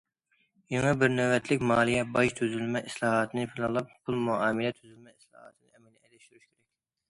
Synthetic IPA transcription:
jiŋɛbɪɾnøvɛt̪ʰlɪkʲmɑːlˠijɛbɑʃt̪ʰøzylmɛʔislˠɑːɦɑt̪ʰɨnɨpʰɪlˠɨlˠɑp̚pʰulˠmuɑːmɨlɛt̪ʰyzylmɛislˠɑ̰hɑ̰t̪ʰɨnɨɛmɛlɛɛlɛʃt̪yɾyʃkʲʰeɾɛkʲ

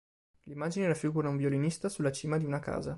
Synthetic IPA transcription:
limːaːd͡ʒinelafiɡuɾauɱvjolinist̪asulːat͡ʃiːmad̪iunaka̰ːza

